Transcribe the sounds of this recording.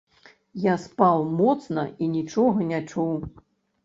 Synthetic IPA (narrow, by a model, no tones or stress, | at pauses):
jaspawmɔt̪snɐinʲit͡ʂɔɣɐnʲat͡ʂuw